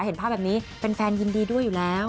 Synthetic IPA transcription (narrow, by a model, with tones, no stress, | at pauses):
he˩˦npʰaː˥˩bɛː˨˩pniː˦˥pe˧nfɛː˧nji˧ndiː˧du˥˩əjːuː˨˩lɛː˦˥w